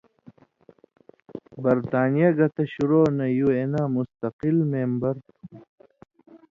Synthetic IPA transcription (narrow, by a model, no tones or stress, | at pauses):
bɐɾt̪aːnijɐɡɐt̪ɐɕuɾoːnɐjuenamust̪ɐqilmeːmbɐɾ